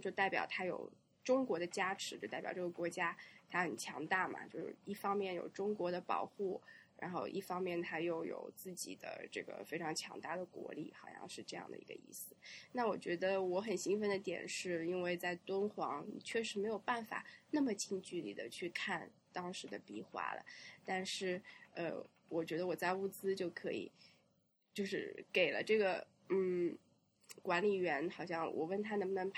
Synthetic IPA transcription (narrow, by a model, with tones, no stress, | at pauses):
t͡ɕjo˥˧ʊt̪a˥˩ɪpjɑ̰˨˩ʊt̪ʰa˥jo̰˨˩ʊ | ʈ͡ʂʊ˥ŋkwɔ˧˥d̪ə˧t͡ɕja˥ʈ͡ʂʰɻ̩˧˥jo˥˧˩t̪a˥˩pjɑ̰˨˩ʊʈ͡ʂɤ˥˩ɡə˩kwɔ˧˥t͡ɕja˥t̪ʰa˥xə˨˩nt͡ɕʰjɑ˧˥ŋt̪a˥˩mɐ̰˩t͡ɕjo˥˧ʊʂ̩˧˥˩i˥˩fɑ˥ŋmjɛ˥˩njo̰˨˩ʊʈ͡ʂʊ˥ŋkwɔ˧˥d̪ə˧pɑ̰˨˩ʊxu˥˩ɻa̰˧˥nxo˥˧ʊʔi˥˩fɑ˥ŋmjɛ˥˩nt̪ʰa˥jo˥˩ʊjo̰˨˩ʊt͡sɹ̩˥˩t͡ɕi˨˩d̪ə̰˦ʈ͡ʂɤ̰˥˩ɡə̰˩fe˥ɪʈ͡ʂʰɑ˧˥ŋt͡ɕʰjɑ̰˧˥ŋt̪a˥˩d̪ə˩kwɔ̰˧˥lḭ˧˥˩xɑ˨˩ʊjɑ̰˥˧ŋʂɻ̩˥˧ʈ͡ʂɤ˥˧jɑ̰˥˩ŋd̪ə̰˩ḭ˧˥ɡə̰˧ḭ˥˩sɹ̩˩na˥˩wɔ˨˩t͡ɕɥɛ˧˥d̪ə˧wɔ˧˥xə˨˩nɕi˥ŋfə˥nd̪ə˧t̪jɛ̰˨˩nʂɻ̩˥˩i˥nwe˥˧ɪt͡sa˥˩ɪt̪wə˥nxwɑ̰˧˥ŋnḭ˨˩t͡ɕʰɥɛ˥˩ʂɻ̩˧˥me˧˥ɪjo˨˩ʊpa˥˩nfa̰˨˩na˥˩mə˩t͡ɕʰi˥˧ŋt͡ɕy˥˩lḭ˨˩d̪ə̰˦t͡ɕʰy˥˧kʰa˥˩n | t̪ɑ˥ŋʂɻ̩˧˥d̪ə˧pi˧˥xwa̰˥lə̰˨t̪a˥˧nʂɻ̩˥˩ə̰˧ | wʔɔ˨˩t͡ɕɥɛ˧˥d̪ə˧wɔ˨˩t͡sa˥˧ɪu˥˩t͡sɹ̩˥t͡ɕjo˥˩ʊkʰɤ̰˧˥ḭ˨˩ | t͡ɕjo˥˧ʊʂɻ̩̰˥˩ke˨˩ɪlə̰˦ʈ͡ʂɤ˥˩ɡə˩ | n̩˥˩ | kwa˧˥nli˨˩ɥɛ˧˥nxɑ˨˩ʊɕjɑ˥˩ŋwʔɔ̰˨˩wə˥˩nt̪ʰa˥nə˧˥mə˧nə˧˥ŋ